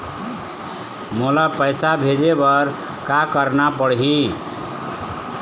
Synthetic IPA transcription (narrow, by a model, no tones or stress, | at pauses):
molapəjsabʱed͡ʒebəɾ | kakəɾnapəɽɦi